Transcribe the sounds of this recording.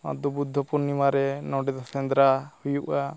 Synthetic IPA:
a̰d̪ubud̪ʱːɔpuɾnimaɾɛnɔɖɛd̪ɔsɛnd̪ɾahujuʔa

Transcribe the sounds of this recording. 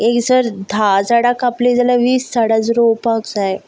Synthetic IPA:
ekd͡zəɾd̪ʱad͡zaɽakapled͡zalaʋiːsːaɽad͡zɾowpakd͡zae

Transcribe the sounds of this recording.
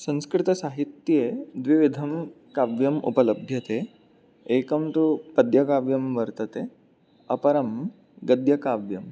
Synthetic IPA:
sɐ̃nskɾɪt̪ɐsaɦit̪jed̪ʋiʋid̪ʱɐm | kaːʋjɐmṵpɐlɐbʱjɐt̪e | ekɐmt̪upɐd̪jɐkaːʋjɐmʋɐɾt̪ɐt̪e | ɐpɐɾɐm | ɡɐd̪jɐkaːʋjɐm

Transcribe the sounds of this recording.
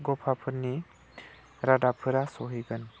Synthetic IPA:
ɡɔpʰapʰɯɾni | ɾadapʰɯɾasɔɦiɡɯn

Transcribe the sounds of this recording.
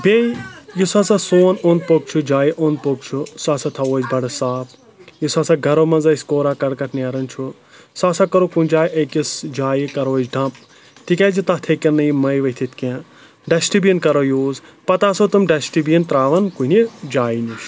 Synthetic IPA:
bʱʲeːjisaːsasoːnoːnd̪̚pok̚t͡ʃʰud͡ʒaːjiʔond̪̚pok̚t͡ʃʰusaːsat̪ʰɐoːd͡ʒbʱɐɽɨsaːp | jisasaɡʱɐɾomɐnzɐsʲkoːɾakɐɽkɐʈ̪ʰnaːɾɐnt͡ʃʰu | saːsakɐɾokunʲd͡ʒaːjʔɐkisd͡ʒaːjikɐɾoːd͡ʒɖʱɐ̃p̚ | t̪ikʲaːd͡ʒit̪ɐht̪ʰekɐɾnɐjimɐjʋɐɦt̪ʰit̪kẽ | ɖɐsʈibiinkɐɾojoːzpɐt̪aːsot̪ɨmɖɐsʈibiint̪ɾaːʋɐnkuned͡ʒaːjinuʃ

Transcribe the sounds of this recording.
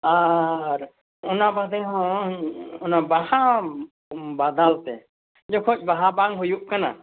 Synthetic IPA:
aɾ | ɔnabad̪ɛɦɔ̃ | ɔnabaɦa | bad̪alt̪ɛ | d͡ʒɔkʰɔc̚ˀbaɦabaŋɦujuʔkana̰

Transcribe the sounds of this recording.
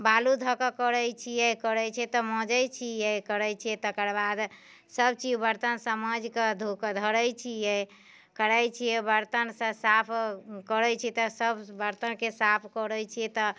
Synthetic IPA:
balud̪ʱəkəkəɾəjt͡ʃʰijɛkəɾɛt͡ʃʰɛt̪ɔmɔ̃d͡ʒəjt͡ʃʰijɛkəɾɛjt͡ʃʰijɛt̪əkəɾbad̪ | səb̚t͡ʃibəɾt̪ənsəməd͡ʒked̪ʱukd̪ʱəɾəjt͡ʃʰijɛ | kəɾəjt͡ʃʰijɛbəɾt̪ənsə̃sapʰkəɾɛt͡ʃʰɛt̪ɔsəbbəɾt̪ənkesapʰkɔɾəjt͡ʃʰijɛt̪ɔ

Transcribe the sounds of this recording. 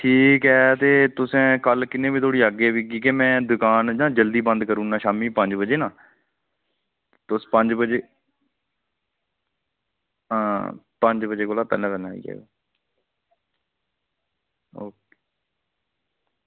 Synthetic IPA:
ʈʰiːkɦɛːt̪eːt̪ʊsɛ̃ːkəlkɪnẽːbiːt̪ʰoːɽiːaɡeːʋiːɡiːkemɛ̃ːd̪ʊkaːnd͡ʒãːd͡ʒəld̪iːbə̃nd̪kəɾũːnãːʃaːmiːpəɲd͡ʒbəd͡ʒeːnãː | t̪ʊspə̃ɲd͡ʒbəd͡ʒeː | pə̃ɲd͡ʒbəd͡ʒeːkoːlaːpɛ̰ːlɛ̃ːpɛlãːḭːkɛ̰ːɡa̰ː | oː

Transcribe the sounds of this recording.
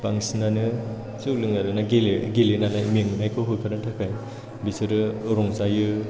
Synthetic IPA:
paŋsinanɯ | suklɯŋnaɾɯnaɡeleɡelenalajmiŋnajkʰɯɦojkʰaɾantʰakʰaj | bisɯɾɯɾɔŋzajɯ

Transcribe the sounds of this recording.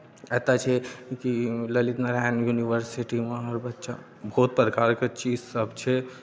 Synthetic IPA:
ɛːt̪at͡ʃʰekiləlit̪naɾɛnjuniʋəɾsiʈimãɔɾbɐtːʃa̰ | bʱoːt̪̚pɾəkaːɾket͡ʃiːzsəbt͡ʃʰe

